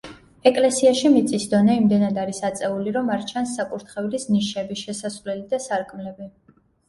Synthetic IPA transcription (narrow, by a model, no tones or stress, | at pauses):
ɛkʼlɛsiaʃimit̪sʼisd̪ɔnɛimd̪ɛnad̪aɾisat̪sʼɛuliɾɔmaɾt͡ʃʰansːakʼuɾt̪ʰχɛvlisniʃɛbiʃɛsasvlɛlid̪asaɾkʼmlɛbi